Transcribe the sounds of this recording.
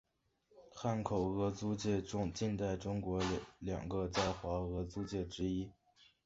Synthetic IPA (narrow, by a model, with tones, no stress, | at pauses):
xa˥˩nkʰo˨˩ʊɤ˧˥t͡su˥t͡ɕjɛ˥˧ʈ͡ʂʊ˥ŋt͡ɕi˥˧nt̪a˥˩ɪʈ͡ʂʊ˥ŋkwɔ˧˥ljɑ̰˨˩ŋɡə˧t͡sa˥˩ɪxwa˧˥ɤ˧˥t͡su˥t͡ɕjɛ˥˩ʈ͡ʂɻ̩˥i˥